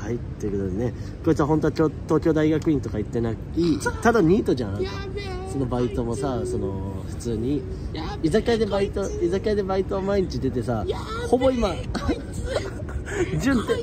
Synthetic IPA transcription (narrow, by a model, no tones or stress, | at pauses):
hait̪ːekɯd̪oenekoit͡sɨɯaɦõ̞nt̪o̞kot̪o̞ːkʲo̞ːd̪aiɡakɯ̟ĩnt̪o̞kait̪ːe̞nakkʲit̪ad̪aɲ̟iːt̪o̞d͡ʑanaka | so̞no̞bait̪o̞mo̞saso̞no̞ | ɸɯ̟t͡sɨːɲ̟i | izakad̪ebait̪o̞izakad̪e̞bait̪oamaiɲ̟it͡ɕid̪e̞t̪e̞sa | ho̞bo̞ima | d͡ʑɨ̃nt̪e